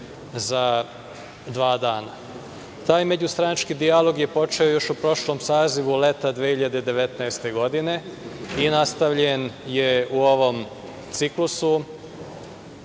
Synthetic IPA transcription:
za | d̪ʋaːd̪aːna | t̪aːjme̞d͡ʑust̪ɾanat͡ʃkiːd̪ialo̞ɡjepo̞t͡ʃe̞o̞jo̞ʃupɾo̞ʃlo̞msaːziʋule̞t̪ad̪ʋiehiʎad̪ed̪e̞ʋe̞t̪nɛest̪e̞ɡo̞d̪ine̞inast̪aʋʎenje̞uo̞ʋo̞m | t̪siklusu

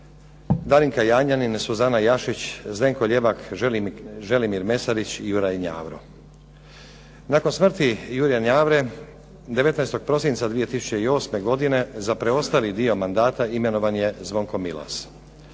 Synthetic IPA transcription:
d̪aliŋkajaːɲaninsuzanajaʃit͡ɕze̞ŋko̞ʎe̞ʋak | ʒe̞limiɾme̞saɾit͡ɕijuɾajɲa̰ːʋɾo̰ | nako̞nsmr̩t̪ijuɾijaɲaːʋɾe̞ | d̪e̞ʋe̞t̪najst̪o̞ɡ̚pɾo̞sint̪sad̪ʋije̞t̪isu̥t͡ɕe̞io̞ːsme̞ɡo̞d̪ine̞zapɾe̞o̞st̪alid̪io̞mand̪aːt̪aime̞no̞ʋanje̞zʋo̞ŋko̞mila̰s

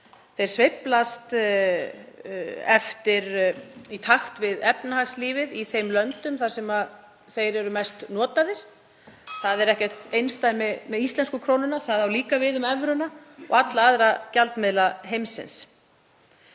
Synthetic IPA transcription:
θejɾ̥svɪplast̪ | ɛft̪ɪɾit̪ʰaxt̪vɪðɛpnahaxsliːvɪðiθejmlœnt̪ʏmθḁsɛma | θejɾɛɾʏmajst̪nɔːt̪aðɪɾ̥ | θaðɛɾɛhcɛ̥t̪ejnst̪aːjmɪmɛðist̪lɛnskʏkʰɾoːwnʏnaθaðawliːkavɪðʏmɛvɾʏnaɔ̰ɣat̪laaðɾacalt̪mɪðlaɦejmsɪ̰ns

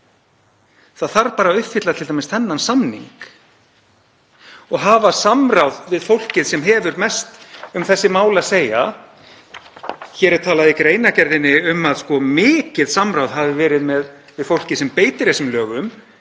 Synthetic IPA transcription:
θaðθaɾpaːɾaʏt̪fɪt̪laðt̪ʰɪlt̪amɪst̪θɛnːansamnḭŋk | ɔɣɦaːvasamɾawðvɪðfowl̥cɪðsɛmɦɛːvʏɾmɛst̪ʏmθɛsːɪmaːwlɪaseːja̰ | çɛːɾɛɾ̥t̪ʰaːlaðɪkɾeːjnacɛɾðɪnːɪʏmaðskɔmɪːcɪðsamɾawðɦavɪvɛːɾɪðmɛð | vɪðfowl̥cɪsɛmpeːjt̪ɪɾesʏmlœːɣʏm

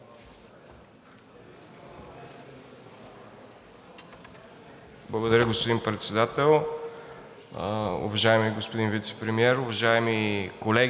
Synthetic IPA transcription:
blˠɐɡod̪ɐɾʲəɡospod̪inpɾɛt̪sɛd̪at̪ɛlˠ | ʊ̰vɐʒaɛmiɡospod̪invit̪sɛ̥pɾɛmiɛɾʊvɐʒaɛmikolɛɡ

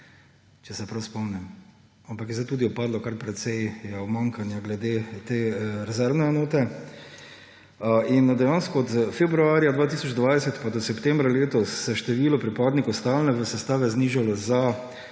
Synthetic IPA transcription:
t͡ʃɛsɛpɾawspɔmnɛm | ampakjɛzd̪ajt̪uːd̪iɔpaːd̪lɔkaɾpɾɛt̪sɛjɛɔmaŋkanjaɡlɛd̪eːt̪eːɾɛzɛɾʋnɛɛnoːt̪ɛ | inːad̪ajanskɔɔt̪fɛbɾuaːɾjad̪ʋaːt̪iːsɔt͡ʃd̪ʋajsɛt̪pad̪ɔsɛpt̪ɛ̃mbɾaleːt̪ɔsːɛʃt̪ɛʋiːlɔpɾipaːd̪nikwst̪alnɛʋəsɛst̪aːʋɛzniːʒalɔza

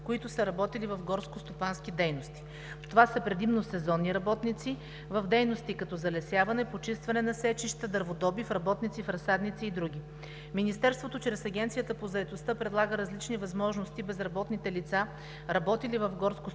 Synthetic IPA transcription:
koit̪ʊsəɾɐbɔt̪ilivɐfɡɔɾskost̪opansk̟id̪ɛjnost̪i̥ | t̪ovasəpɾɛd̪imnosɛzɔnːiɾɐbɔt̪nit̪si | vɐvd̪ɛjnost̪ikɐt̪ɔzɐlɛsʲjavɐnɛpot͡ʃist̪vɐnɛnɐsɛt͡ʃiʃt̪əd̪əɾvod̪ɔbifɾɐbɔt̪nit̪sifɾɐsad̪nit̪siːd̪ɾuɡ̟ʲi | minist̪ɛɾst̪vot̪ot͡ʃɾɛsɐɡʲɛnt̪sijət̪əpozɐɛt̪ost̪əpɾɛd̪lˠaɡəɾɐzlit͡ʃnivɐzmɔʒnost̪ibɛzɾɐbɔt̪nit̪ɛlit̪sa | ɾɐbɔt̪ilivəfɡɔɾsko

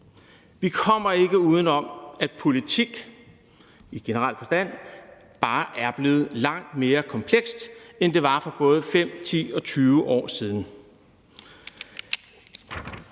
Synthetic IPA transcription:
ʋikʰɒ̽m̰ɐe̝ɡ̥əuːð̞ˠn̩ɒ̽mæ̥pʰo̝lit͡sʰiɡ̥ | iɡ̥e̝nəʁɑl̰fɒ̽sd̥æn̰ | b̥ɑ̈ːʔæɐb̥le̝ːð̞̩ˠlɑ̈ŋ̰d̥me̝ːɐkʰɒ̽mpʰleɡ̥sd̥end̥e̝ʋɑ̈fɒb̥ɔ̽ːð̞̩ˠəfem̰t͡sʰḭːɒ̽t͡sʰyːʊəʔɒ̰ːsiːð̞ˠn̩

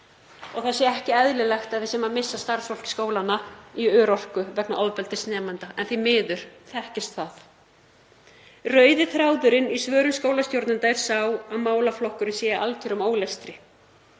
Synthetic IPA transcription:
ɔɣθasjɛɛhcɪɛðlɪlɛxt̪aðvɪsɛmamɪsːast̪aɾsfɔl̥cɪ̥skoːwlanːaiœːɾɔr̥kʏvɛknaʔɔðpɛlt̪ɪsnɛːmant̪aɛnθimɪːðʏɾ̥θɛhcɪst̪θaθ | rœːɥðɪθɾaːwðʏɾɪnisvœːɾʏmskoːwlast̪jowɾt̪nɪnt̪aɾ̥saːwaðmaːwlaflɔhkʏɾɪnsjɛːɪʔalcʰɛɾʏmoːwlɛst̪ɾɪ

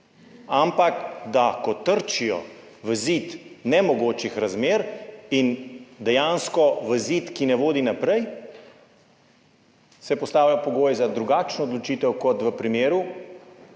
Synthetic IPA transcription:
ampakd̪akɔt̪əɾt͡ʃijɔ̰ | ʋəzit̪nɛmɔɡoːt͡ʃixɾazmeːɾind̪ɛjanskɔʋəzit̪kinɛʋoːd̪inapɾɛj | sɛpɔst̪aːwlapɔɡoːjɛzad̪ɾuɡaːt͡ʃnɔːd̪lɔt͡ʃiːt̪ɛwkɔt̪ʋəpɾimeːɾu

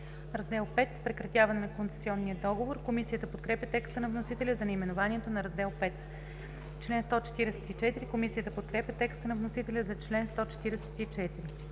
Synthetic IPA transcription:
ɾɐzd̪ɛlˠpɛt̪pɾɛkɾɐt̪ʲjavɐnɛnɐkonsɛ̥siɔnːiəd̪ɔɡovoɾkomisijət̪əpot̪̚kɾɛpjɐt̪ɛkst̪ənɐvnosit̪ɛlʲəzɐnɛimɛnovaniɛt̪onɐɾɐzd̪ɛlˠpɛt̪ | t͡ʃlɛnst̪ɔt͡ʃɛ̥t̪iɾɛsɛ̥t̪it͡ʃɛt̪iɾikomisijət̪əpot̪̚kɾɛpʲjɐt̪ɛkst̪ənɐvnosit̪ɛlʲəzɐt͡ʃlɛnst̪ɔt͡ʃɛ̥t̪iɾɛsɛ̥t̪it͡ʃɛt̪iɾi

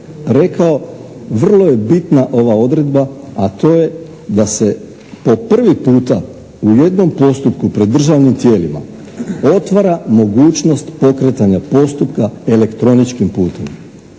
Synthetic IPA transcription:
ɾe̞kao̞ʋr̩lˠo̞je̞bit̪naʔo̞ʋao̞d̪ɾe̞d̪baːt̪o̞ːje̞ | d̪ase̞ | po̞pr̩ʋipuːt̪a | uje̞d̪no̞mpo̞st̪upkupɾed̪ːr̩ʒaʋnimt̪je̞ːlima̰ | o̞t̪ʋaɾamo̞ɡuːt͡ʃno̞st̪po̞kɾet̪aɲapo̞st̪upkae̞le̞kt̪ɾo̞nit͡ʃkimpuːt̪e̞m

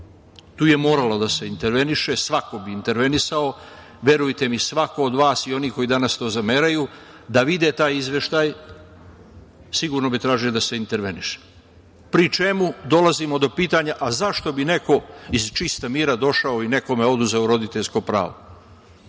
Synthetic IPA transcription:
t̪uːje̞mo̞ːɾalod̪ase̞int̪e̞ɾʋe̞niʃe̞sʋako̞biːnt̪e̞ɾʋe̞nisao̞ | ʋje̞ɾujt̪e̞misʋako̞od̪ʋaːsio̞niːko̞jid̪anast̪o̞ːzameːɾaju | d̪aʋid̪e̞t̪aːjizʋje̞ʃt̪aːj | siɡuːɾno̞bit̪ɾaːʒiod̪ase̞int̪e̞ɾʋe̞niʃe̥ | pɾit͡ʃemud̪o̞lazimo̞d̪o̞piːt̪aɲaʔazaʃt̪o̞bine̞ko̞izt͡ʃist̪amiːɾad̪o̞ʃaoine̞ko̞me̞o̞d̪uzeoɾo̞d̪it̪eʎsko̞pɾa̰ːʋo

